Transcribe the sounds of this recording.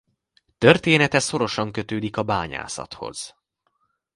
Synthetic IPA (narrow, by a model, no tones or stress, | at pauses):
t̪ø̞rt̪eːnɛt̪ɛso̞ɾo̞ʃɒŋkø̞t̪øːd̪ikɒbaːɲa̰ːsɒ̰t̪ho̞̰z̥